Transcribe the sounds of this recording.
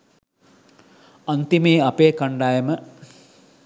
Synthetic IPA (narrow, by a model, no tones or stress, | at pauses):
ɐnt̪imeːɐpeːkɐɳɖaːjemə